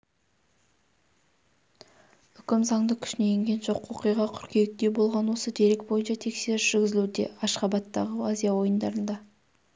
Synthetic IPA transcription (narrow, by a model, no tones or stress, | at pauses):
ʏkʲɪmzɑŋd̪əkʲʰʏ̥ʃnejeŋɡʲe̞nʒo̞qo̞qijʁɑkʲʰʏɾkʲʰejɪk̚t̪e̞bo̞lˠʁɑnwo̞səd̪e̞ɾek̚bo̞jənʃɑt̪ʰe̞kse̞ɾɪsʒɪɾɡʲɪzɪlud̪e̞̰ɑʃqɑbɑt̪ːɑʁəazijɑwo̞jənd̪ɑɾənd̪ɑ